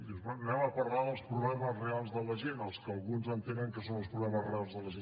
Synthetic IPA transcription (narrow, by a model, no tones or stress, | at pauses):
d̪izɛnunɛməpəɾlaðəlˠspɾuβlɛməzrealˠzðələʒenəlˠskəəːlˠɣunzənt̪enəŋkəsonəlˠspɾuβlɛməzrealˠzðələʒe